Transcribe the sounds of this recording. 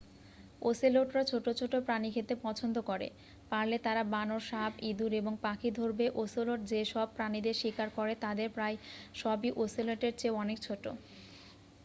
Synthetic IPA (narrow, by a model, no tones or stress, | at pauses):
osiloʈɾat͡ɕʰoʈot͡ɕʰoʈopɾanikʰet̪epɔt͡ɕʰond̪okɔɾḛ | paɾlet̪aɾabanoɾʃabid̪uɾeboŋpakʰid̪ʱoɾbeʔosiloʈ̚d͡ʑeʃɔb̚pɾanid̪eɾʃikaɾkɔɾet̪ad̪eɾpɾaeʃɔbiʔosiloʈeɾt͡ɕeoɔnekt͡ɕʰoʈːo̰